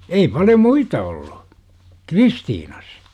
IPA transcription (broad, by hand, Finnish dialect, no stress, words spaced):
ei pɑljo muitɑ oll̥u̥ kristiːnɑs